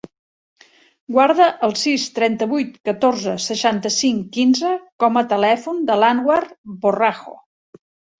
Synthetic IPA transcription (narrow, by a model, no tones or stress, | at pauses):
ɡwaɾðəʔəlˠsist̪ɾɛnt̪əβujt̪kət̪oɾzəsəʃant̪əsiŋkinzəkɔmət̪əlɛfund̪əlanwarboraxo̰